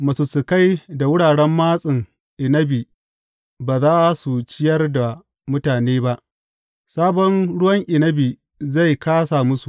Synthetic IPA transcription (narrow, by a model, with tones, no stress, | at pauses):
mɐ˨su˨sʊ˨ka˦jda˨wʊ˦ɽaː˨ɽɛ˦mːaː˦sʼɪ˨ŋ | ʔɪ˨nɐ˦bi˨ | baː˨zaː˦su˨t͡ʃɪ˦jɐ˦rda˨ | mʊ˦taː˨neː˦ba˦ʔ | saː˦bɔ˦nɽʊ˦wɐ˦ŋʔɪ˨nɐ˦bi˨ | za˦˨jkaː˦sa˨mʊ˦su˨